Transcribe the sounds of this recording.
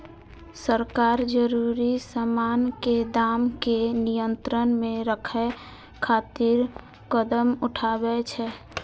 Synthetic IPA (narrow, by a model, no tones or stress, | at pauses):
səɾkaɾd͡ʒəɾuɾisəmanked̪amkenijənt̪ɾənmeɾəkʰɛ | kʰat̪iɾ | kəd̪əmuʈʰabɛt͡ʃʰɛ